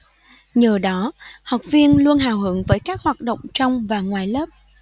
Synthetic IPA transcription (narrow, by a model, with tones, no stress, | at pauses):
ɲəː˨˩ɗɔ˨˦hə˨˩wk͡p̚vi˧ənlu˧ənɦaː˨˩wɦɨ˨˦əŋvəː˨˦jkaː˦˥k̚hwaː˨˩t̚ɗo̰˧˨wŋ͡mt͡ɕɔ˧wŋ͡mvaː˨˩ŋwaː˨˩jləː˦˥p̚